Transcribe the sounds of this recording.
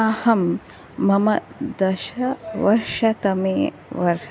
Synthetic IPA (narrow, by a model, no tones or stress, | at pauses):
aːhɐmː | ɐmɐ̰d̪ɐʃɐʋɐɾʂɐt̪ɐmeː | ʋɐɾ